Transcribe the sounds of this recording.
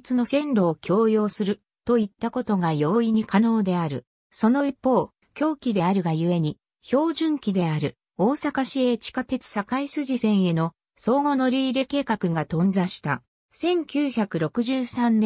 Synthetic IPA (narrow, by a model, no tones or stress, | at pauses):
t͡sɨno̞sẽ̞nɾo̞ːkʲʰo̞ːjo̞ːsɨɾɯ̟ | t̪o̞it̪ːako̞t̪o̞ɡajo̞iɲ̟ikano̞ːd̪e̞aɾɯ̟̰ | so̞no̞ipːo̞ː | kʲo̞ːkʲid̪e̞aɾɯ̟ɡajɯ̟e̞ɲ̟i | ço̞ːʑɨ̃ŋkʲid̪e̞aɾɯ̟ | o̞ːsakaɕie̞ːt͡ɕi̥kat̪e̞t͡sɨ̥sakaisɨʑisẽ̞ɰ̃e̞no̞ | so̞ːŋo̞no̞ɾʲiːɾe̞ke̞ːkakɯ̟ɡat̪õ̞nd͡zaɕi̥t̪a | sẽ̞ŋkʲɨːçakɯ̟ɾo̞kɯ̟ʑɨːsãnːẽ